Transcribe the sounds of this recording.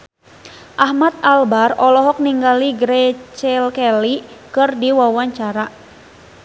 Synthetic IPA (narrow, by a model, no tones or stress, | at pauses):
ʔahmat̪̚albarɔlɔɦɔk̚niŋɡaliɡɾɛt͡ʃɛlkɛlikɨrdiwawaɲt͡ʃaɾa